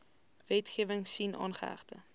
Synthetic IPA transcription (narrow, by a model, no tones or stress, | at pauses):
vɛtχiəvəŋsinʔɑ̰ːnχəæ̰χtə